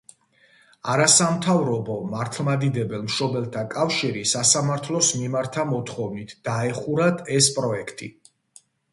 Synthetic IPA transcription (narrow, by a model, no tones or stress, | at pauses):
aɾasamt̪ʰavɾɔbɔmaɾt̪ʰlˠmad̪id̪ɛbɛlˠmʃɔbɛlˠt̪ʰakʼafʃiɾisasamaɾt̪ʰlˠɔsmimaɾt̪ʰamɔt̪ʰχɔvnit̪ʰd̪̥aɛχuɾad̪ʰɛspʼɾɔɛkʰt̪ʼḭ